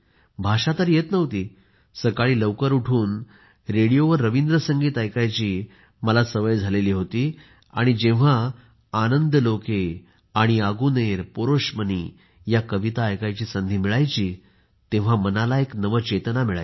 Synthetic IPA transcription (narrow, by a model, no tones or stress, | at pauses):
bʱaʂat̪əɾjet̪nəʋt̪iː | səkaɭiːləʋkəɾuʈʰuːn | ɾeɽijoʋəɾːəʋind̪ɾəsəŋɡiːt̪ajkajt͡ɕiː | məlasəʋəjd͡zʱaleliːɦot̪iː | a̰ɽ̃id͡ʑẽʋ̤aː | nənd̪əloke | aɽ̃iaɡuneɾpoɾoʂmənḭː | jakəʋit̪aːjkajt͡ɕiːsənd̪ʱiːmiɭajt͡ɕiː | t̪ẽʋ̤amənalaeknəʋət͡ɕet̪namiɭa̰j